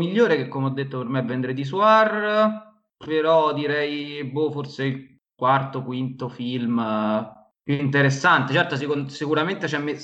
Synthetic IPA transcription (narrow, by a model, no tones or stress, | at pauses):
miʎːoːɾekɛkːomeɔd̪ːet̪ːopermevːɛnd̪ɾed̪is̬war | peɾɔd̪iɾɛjboforseil | kwart̪okwint̪ofilm | pjuint̪̬eɾesːant̪et͡ʃɛrt̪os̬ikonsikuɾament̪et͡ʃɛmːe